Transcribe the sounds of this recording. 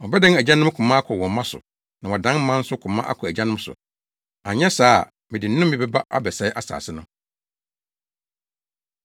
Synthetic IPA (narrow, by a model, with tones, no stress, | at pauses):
wɔ˨bɛ˦dɛ̃˦næ˨d͡ʑã˦nʊ̃˦m˦kʰʊ̃˨mã˦a˦kʰɔ˨wɔ̃˨˦mã˦sʊ̰˨ | nã˨wɔ˨dã˦n˦mã˦n̩˦sʊ˦kʰʊ̃˨mã˦ʔa̰˦kʰʊ˨æ˨d͡ʑa˦nʊ̃˦m˦sʊ̰˨ | a˨ɲɛ̃˦saː˦˨ | mɪ̃˨dɪ˨˦nʊ̃˦m˦mĩ˨bɛ˦ba˦ʔa̰˦bɛ˨sɛ˨˦ɪ˦ʔa˦sa̰ː˨sɪ˦nʊ̃˦